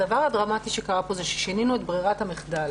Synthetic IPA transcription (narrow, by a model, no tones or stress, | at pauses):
davaʁhadʁamat̪iʃekaʁapo̞zeʃe̥ʃeninuet̪bʁiʁathameχdal